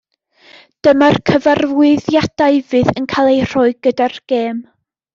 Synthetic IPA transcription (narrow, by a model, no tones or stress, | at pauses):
d̥əmarkʰəvarvwɨðjad̥aɨvɨðənkʰalˠejr̥ɔɨɡ̥ədarɡ̥eːm